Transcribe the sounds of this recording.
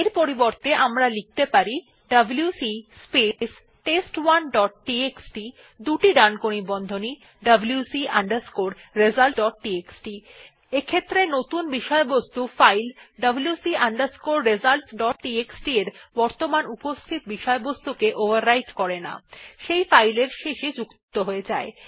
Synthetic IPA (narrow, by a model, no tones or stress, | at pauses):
eɾpoɾiboɾt̪eʔamɾalik̚t̪epaɾi | ɖɐbljusispes | ʈesʈwanɖɔʈ̚ʈieksʈi | d̪uʈiɖankonibɔnd̪ʱoni | ɖɐbljusiʔa̰ɳɖaɾskoɾɾezalʈɖɔʈ̚ʈieksʈi | ekʰet̪ːɾenot̪unbiʃɔebost̪ufajlɖɐbljusiaɳɖaɾskoɾɾed͡ʑalʈɖɔʈʈieksʈieɾbɔɾt̪omanupost̪ʰit̪biʃɔebost̪ukeʔobʱaɾːajʈkɔɾena̰ʃejfajleɾʃeʃed͡ʑukt̪oɦoed͡ʑae